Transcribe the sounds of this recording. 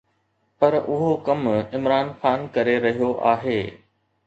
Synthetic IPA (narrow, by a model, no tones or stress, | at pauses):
pɐɾʔʊɦokɐmɪmɾaːnxaːnkɐɾeɾɐɦijoʔa̰ːɦeː